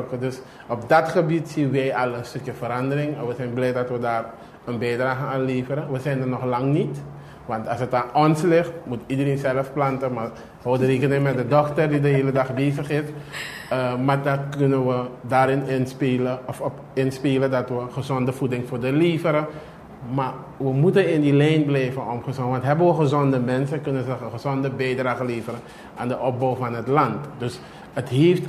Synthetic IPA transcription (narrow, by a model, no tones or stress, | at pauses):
kədøs | ɔpdɑtχəbitsiənʋɛjɑlənstɵkjəfəɾɑndərɪŋɛnʋəzɛnblɛj̚dɑtʋədaːr | ənbɛjdraːxəaːnleːfəɾəʋəzɛjndərnɔχlɑŋnit | ʋɑntɑsətanʔɔnslɪxtmutidəreːnzɛləfplɑntəma | owədəreːkənɪŋmɛt̚dədɔktərdidəɦeːlədaχbeːsəχɪf | əmaːdɑt̚kønənʋədaːɾɪnɪnspeləɔfɔ | ɪnspeːləndɑtʋəχəzɔndəvudɪŋfʊːɹdəleːvəɾə | ma | ʋəmutənɪndilɛjnblɛjvənɔmχəzɔŋəʋɑntɦɛbənʋəχəzɔndəmɛnsəkɵnənzəəχəzɔndəbɛjdraːχəleːvəɾən | ʔa̰ːndəʔɔp̚bowfɑnɦətlɑntdøs | ətɦeːft